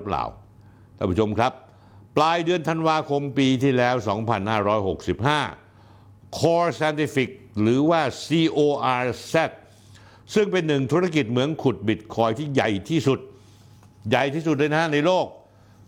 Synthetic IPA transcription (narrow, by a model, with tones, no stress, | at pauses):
pla̰ː˨˩w̪ʰ | a˧˨˩pʰa˧˥t͡ɕʰo˧mkʰɾa˦˥p̚ː | laː˧jdɯ˧ənt̪ʰa˧nwaː˧kʰo˧mpiː˧t̪ʰiː˥˩lɛː˦˥wsɔ̰ː˩˦ŋpʰa˧nhaː˥˩ɾɔː˦˥jɦo˨˩k̚si˨˩p̚ɦaː˥˩ | kʰɔː˧sɛː˧nt̪ʰi˧˩fi˨˩k̚ɾɯː˩˦waː˥˩siː˧ʔoː˧ʔaː˧sɛ˦˥˩t̪̚ | sɯ˥˩ŋpe˧nːɯ˨˩ŋt̪ʰu˦˥ɾa˥˧˩ki˨˩t̪̚mɯ˩˦ənkʰu˨˩t̪̚bi˨˩t̪̚kʰɔː˧jt̪ʰiː˥˩ja˨˩jt̪ʰiː˥˩su˨˩t̪̚ | ja˨˩jt̪ʰiː˥˩su˨˩t̪̚daː˥˩jna˦˥na˧jloː˥˩k̚